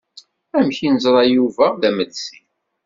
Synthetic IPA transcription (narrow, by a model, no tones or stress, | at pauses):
æmçinəzˤɾˤɑjuvæðæməd̪si